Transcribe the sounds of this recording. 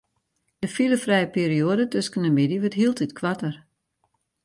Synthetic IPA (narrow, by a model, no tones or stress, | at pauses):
dəfiləfrɛjəpiːɾioədətøskənəmidiʋətɦilˠtitkʰʋatər